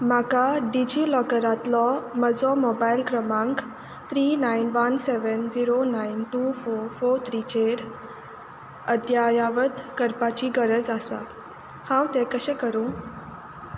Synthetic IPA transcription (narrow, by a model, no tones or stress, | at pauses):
makaɖid͡ʑilɔkəɾat̪lɔməd͡zɔmobailkɾəmãŋk | t̪ʰɾiːnainʋənseʋənd͡ziɾonainʈuːfoɾfoɾt̪ʰɾiːt͡ɕeɾ | əd̪jajaʋəd̪kəɾpat͡ɕiɡəɾəd͡zasa̰ | hãwt̪ẽkəɕɛ̃kəɾũ